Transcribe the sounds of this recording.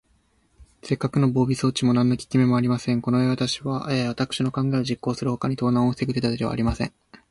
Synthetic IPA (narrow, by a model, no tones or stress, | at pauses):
se̞kːakɯ̟no̞bo̞ːbʲiso̞ːt͡ɕimo̞nãnːokʲi̥kʲime̞mo̞aɾʲimasẽ̞ŋko̞noeβat̪aɕiβaʔeːβat̪akɯ̟̥ɕino̞kãŋɡaeoʑikːo̞ːsɨɾɯ̟ho̞kaɲ̟it̪o̞ːnãost̪ekɯ̟t̪et̪at̪ed̪e̞βa̰ɾʲimasẽ̞̰ŋ